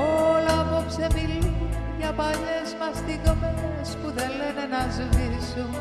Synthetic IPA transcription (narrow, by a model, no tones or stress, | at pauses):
olɐpopsepili | ʝɐpɐʎezmɐst̪ikome | spuðelenenɐzit̪isum